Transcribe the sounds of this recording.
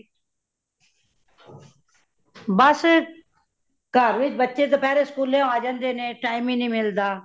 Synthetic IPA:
bəs | kəɾʋɪt͡ʃbətːʃeːt̪̬oːpɛːɾeːskuːljãːaːd͡ʒənd̪eːnẽːʈaːɪmĩːnĩːmɪld̪aː

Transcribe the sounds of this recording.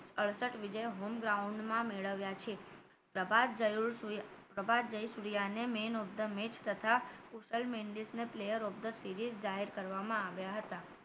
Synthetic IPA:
əɭsəʈʋid͡ʒəjɦomɡɾauɳɖmãmeɭəʋjat͡ʃʰe | pɾəbad͡ʒ | pɾəbad̪d͡ʒəjsuɾijanemenob̚d̪əmet͡ʃʰt̪ət̪ʰakuʃəlmeɳɖisneplejəɾob̚d̪əsiɾizd͡ʒaɦeɾkəɾʋamãaʋjaɦət̪a

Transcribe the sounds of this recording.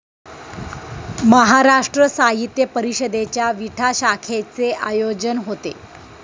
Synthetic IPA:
məɦaɾaʂʈɾəsaɦit̪jəpəɾiɕəd̪et͡ɕjaʋiʈʰaɕakʰet͡seʔajod͡ʑənɦot̪e

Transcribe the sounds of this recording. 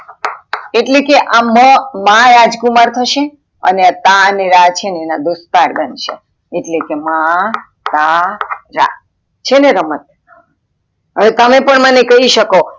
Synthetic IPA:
eʈlekeʔaməmãjad͡ʒkumaɾt̪ʰəʃe | ə̰neat̪aneɾat͡ʃʰeneːnad̪ost̪aɾbənʃe | eʈlekema | t̪aɾa̰ | t͡ʃʰeneɾəmət̪̚ | ɦəʋet̪əmepəɳmənekəɦiʃəko

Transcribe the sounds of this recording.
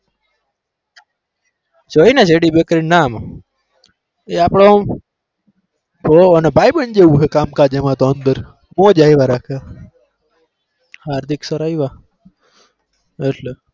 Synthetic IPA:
d͡ʒoːined͡ʒeːɽibekɾinaːm | eaːpɽõː | poənebʱaːjbənd͡ʒeʋuɦekaːmkaːd͡ʒemãːt̪oənd̪əɾ | mõːd͡ʒaːiʋaɾaːkʰa | haːɾd̪ʱiksəɾaːiʋa | eʈle

